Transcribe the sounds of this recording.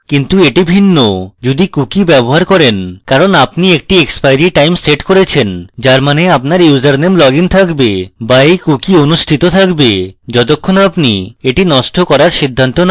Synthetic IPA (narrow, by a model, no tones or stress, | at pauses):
kint̪ueʈibʱinːod͡ʑud̪ikukibɛboɦaɾkɔɾenkaɾonapniek̚ʈiekspajɾiʈajmseʈkoɾet͡ɕʰend͡ʑaɾmaneapnaɾjud͡ʑaɾnemlɔɡint̪ʰakbebaejkukionuʃʈʰit̪ot̪ʰakbed͡ʑɔt̪̬okʰːonapnieʈinɔsʈʰokɔɾaɾsid̪ʱːant̪ona